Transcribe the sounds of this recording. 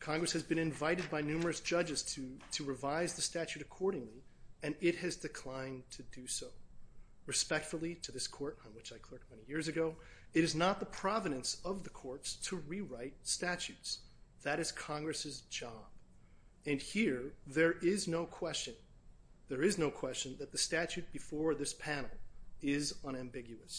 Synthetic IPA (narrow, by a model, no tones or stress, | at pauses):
kʰɑ̃ŋɡɹɨshɨzbɨ̃ñɨ̃ɱvaɪɾɨd̚baɪnʉmə˞ɨsd̥ʒ̥ʌd͡ʒɨz̥tʰɨɾɨɹɨvaɪzðɨstæt͡ʃʉɾɨkʰɔɹɾɪ̃ŋliɨ̃nɪt̚hɨzdɨkʰl̥ãɪ̃ntʰɨdɨsoʊ | ɹɨspɛk̚tfl̩ˠiɾɨðɪskʰɔɹɾn̩wɨt͡ʃaɪkʰl̥ɜ˞k̚t̚mɛ̃ɾ̃ijɪɹzɨɡoʊɨɾɨznət̪̚ðəpʰɹ̥ɑvɨɾɨ̃nsʌvðɨkʰɔɹtstʰɨɹiɹaɪt̚stæt͡ʃʉtsðɨɾɨz̥kʰɑ̃ŋɡɹɨsɨzd͡ʒɑb̥ | ɨ̃nhiɹðə˞ɪznoʊkʰw̥ɛst͡ʃɨ̃n | ðə˞ɪznoʊkʰw̥ɛst͡ʃɨ̃nðɨt̪̚ðɨstæt͡ʃʉt̚b̥ɨfɔɹðɪspʰænl̩ˠɪzʌ̃ɾ̃æ̃mbɪɡjʉɨs